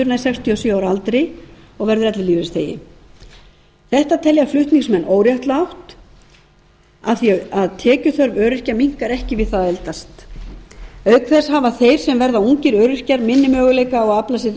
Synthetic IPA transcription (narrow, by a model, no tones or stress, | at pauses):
ʏɾnajsɛkst̪ʰiɔsjʏawɾalt̪ɾɪ | ɔɣvɛɾðʏɾɛt̪lɪliːvɪst̪ʰḛːjɪ̰ | θɛht̪at̪ʰɛljaflʏht̪niŋsmɛnːʔoːwɾjaht̪laawht̪ | aθiaaðt̪ʰɛːcʏθœɾvœːɾʏr̥caɾmiŋ̥kaɾɛhcɪvɪðθaðɛlt̪ast̪ | œɥkfɛshavaθejɾ̥sɛmvɛɾðauŋcɪɾœːɾʏr̥caɾmɪnːɪmœːɣʏlejkaɔɣaplasɪɾ